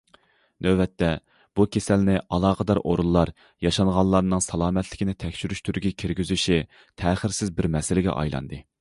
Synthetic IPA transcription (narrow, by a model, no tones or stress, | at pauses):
nøvɛt̪ʰːɛ | b̥ukʲʰesælnɪʔɑlˠɑːqəd̪ɑɾʔo̰ɾulˠːɑɾ | jɑʃɑŋʁɑnlˠːɑɾnɨŋsɑlˠɑːmɛt̪ʰlɪkʲinɪt̪ʰɛkʲʃʰyɾyʃt̪ʰyɾɡʲikʲʰiɾɡʲyzyʃi | t̪ʰɛːχəɾsɪzbɪɾmɛsɪlɪɡʲɛ̰ʔɑ̰jlˠɑ̰nd̪ɨ